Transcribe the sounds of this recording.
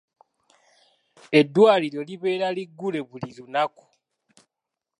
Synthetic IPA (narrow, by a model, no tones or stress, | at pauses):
e̞dːwaːliɾo̞liβe̞ːɾaliɡːule̞βuliɾunaku̥